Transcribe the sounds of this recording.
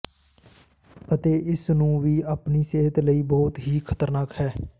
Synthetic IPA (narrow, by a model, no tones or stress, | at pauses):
ət̪eːʔɪsnũːʋiːəpniːseːɦət̪ləiːbɔːt̪ɦiːkʰət̪əɾnaːkhɛː